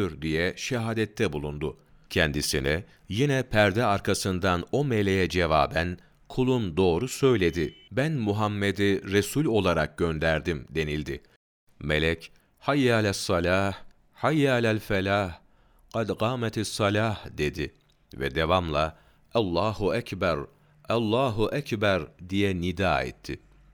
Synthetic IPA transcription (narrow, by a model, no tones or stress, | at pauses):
yɾd̪ijɛʃɛɦaːd̪ɛt̪ʰːɛbulˠund̪u | cʰɛnd̪isini | jinɛpʰæɾd̪ɛaɾkʰasɯnd̪ano̞melʲejɛd͡ʒevaːbæn | kʰulˠund̪o̞ːɾusø̞jlʲe̞d̪ɪbænmuɦamːed̪iɾesulʲo̞lˠaɾak̚ɟø̞nd̪æɾd̪imd̪e̞nilʲd̪ɪ | melʲɛc | hajːalʲæsːɑlʲaːh | hajːalælʲfɛlaːh | qɑd̪qɑːmɛt̪ʰɪsːɑlʲaːhd̪e̞d̪ɪ | vɛ̰d̪e̞vamlˠa | alˠːaːhuæcbæɾ | alˠːaːɦuʔæcbæɾd̪ijɛnid̪aːɛ̰t̪ʰːɪ